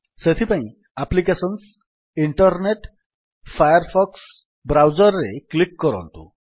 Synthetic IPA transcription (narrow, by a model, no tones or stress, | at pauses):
set̪ʰipãĩ | aplikesɔns | iɳʈɔɾneʈ | fʰajɔɾfʰɔks | bɾawd͡zɔɾːeklikːɔɾɔ̰̃nt̪ṵ̃